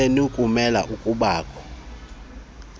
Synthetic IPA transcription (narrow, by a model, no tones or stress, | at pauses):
ɛnukʼumɛla̰ʔukʼuɓaːkʰʼɔ